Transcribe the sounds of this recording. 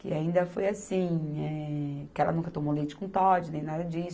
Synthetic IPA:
kɪ̰aĩnd̪ɐfojasĩɛkɪɛlɐ̰nũŋkɐt̪omolit͡ʃɪ̥kũt̪ɔd͡ʒɪnẽj̃nad̪ɐd͡ʒisʊ

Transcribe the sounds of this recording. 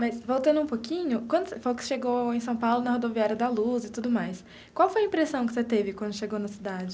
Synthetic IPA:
mɐsvowt̪ɐ̃nd̪ʊũpokʰĩɲʊkwɐ̃d̪ʊsefojʊkɪ̥ʃeɡowẽj̃sɐ̃w̃pawlʊnɐhod̪oviaɾjɐd̪ɐluzɪt̪ud̪ʊmajs | kwawfojɐĩmpɾesɐ̃w̃kɪ̥set̪evɪkwɐ̃nd̪ʊʃeɡownɐsid̪ad͡ʒɪ

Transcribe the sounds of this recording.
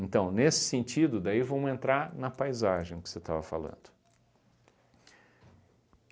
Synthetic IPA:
ẽnt̪ɐ̃w̃nesɪ̥sẽnt͡ʃid̪ʊd̪aivɐ̃mʊẽnt̪ɾaɾnɐpajzaʒẽj̃ʊkɪ̥set̪avɐfa̰lɐ̰̃nd̪ʊ

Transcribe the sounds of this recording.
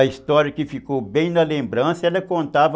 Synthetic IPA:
ɐist̪ɔɾjɐkɪfikowbẽj̃nɐlẽmbɾɐ̃sɐɛlɐkõnt̪avɐ

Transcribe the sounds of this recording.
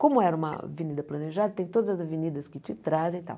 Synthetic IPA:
komʊɛɾɐũmɐ̰vinid̪ɐplɐneʒad̪ɐt̪ẽj̃t̪od̪ɐzɐzɐvinid̪ɐskɪt͡ʃ̪it̪ɾazẽt̪ã̰w

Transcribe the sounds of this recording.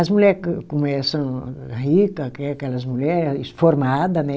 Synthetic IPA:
ɐzmuʎɛɾkkomɛsɐ̃w̃hikɐkɛɐkɛlɐzmuʎɛɾɪsɪsfoɾmad̪ɐnɛ

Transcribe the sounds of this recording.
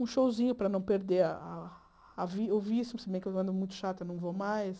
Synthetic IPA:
ũʃowzĩɲʊpɾɐnɐ̃w̃peɾd̪eɾɐaː | viewviisʊsebẽj̃kewɐ̃nd̪ʊmũj̃t̪ʊ̥ʃat̪ʊenɐ̃w̃vomajs

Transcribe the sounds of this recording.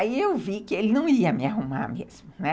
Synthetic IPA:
iewvikɪelɪnɐ̃w̃iɐmɪaɦuma̰ɾmḛz̥mʊnɛ

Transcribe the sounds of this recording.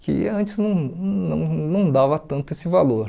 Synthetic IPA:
kɪ̰ɐ̃nt͡ʃɪznɐ̃w̃nɐ̰̃w̃nɐ̃w̃d̪avɐt̪ɐ̃nt̪ʊesɪvaloɾ

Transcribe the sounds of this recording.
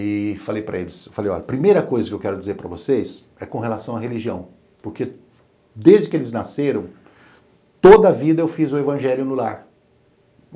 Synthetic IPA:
ɪfalejpɾɐ̰elɪsefalejɔ̰ʎɐpɾimejɾɐkojzɐkɪewkɛɾʊd͡ʒizeɾpɾɐvoses | ɛkõɦelasɐ̃w̃ɐɦeliʒiɐ̰̃w̃ | poɾke | d̪ezd͡ʒɪkɪelɪznaseɾɐ̃w̃ | t̪od̪ɐɐvid̪ɐewfizʊevɐ̃ʒɛljʊnʊlaɾ

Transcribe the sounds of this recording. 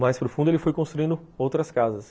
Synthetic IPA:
majspɾʊfũnd̪elɪfojkõst̪ɾuĩnd̪ʊowt̪ɾɐskazɐs

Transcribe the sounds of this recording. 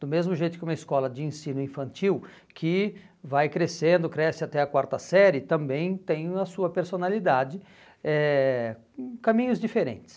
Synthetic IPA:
d̪̥ʊmezmʊʒejt̪ʊkɪũmɐiskɔlɐd͡ʒɪẽsĩnʊĩfɐ̃nt͡ʃiw | kʰɪ | vajkɾesẽnd̪ʊkɾɛsɪat̪ɛɐkwaɾt̪ɐsɛɾɪt̪ɐ̃mbẽj̃t̪ẽj̃ɐsuɐpeɾsonalid̪ad͡ʒɪ | ɛ | kɐ̃mĩɲʊzd͡ʒifeɾḛ̃nt͡ʃ̪ɪ̥s

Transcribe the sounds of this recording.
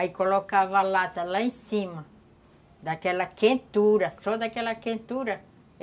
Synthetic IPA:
aikolokavalat̪ɐlaẽsĩmɐ | d̪akɛlɐkẽnt̪uɾɐsɔd̪akɛlɐkẽnt̪uɾɐ

